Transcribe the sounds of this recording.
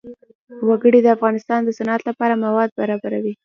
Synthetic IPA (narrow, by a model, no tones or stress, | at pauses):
waɡəɽid̪əafɣɑnɪst̪ɑnd̪əsanɑt̪lapɑɾamawɑd̪̚baɾɑbaɾawi